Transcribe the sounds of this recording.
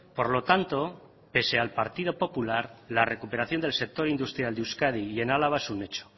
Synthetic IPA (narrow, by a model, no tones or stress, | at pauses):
po̞ɾlo̞t̪ant̪o̞ | pe̞se̞alpaɾt̪ið̞o̞po̞pulaɾlare̞kupeɾaθjo̞nd̪else̞k̚t̪o̞ɾind̪ust̪ɾjald̪euskað̞ije̞nalaβaesune̞t͡ʃo̥